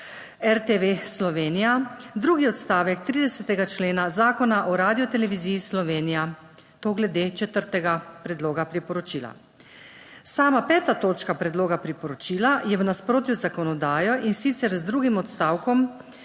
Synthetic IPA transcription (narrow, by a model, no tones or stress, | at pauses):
ɛɾt̪eʋeslɔʋeːnijad̪ɾuːɡiɔt̪st̪aːʋɛk̚t̪ɾiːd̪ɛsɛt̪ɛɡat͡ʃleːnazaːkɔnaʔɔɾaːd̪ijɔt̪ɛlɛʋiziːislɔʋeːnija | t̪oːɡlɛd̪et͡ʃɛt̪əɾt̪ɛɡapɾɛd̪loːɡapɾipɔɾɔt͡ʃiːla̰ | saːmapɛːt̪at̪oːt͡ʃkapɾɛd̪loːɡapɾipɔɾɔt͡ʃiːlajɛʋnaspɾoːt̪juzakɔnɔd̪aːjɔʔinsit̪sɛɾzd̪ɾuːɡimɔt̪st̪aːwkɔm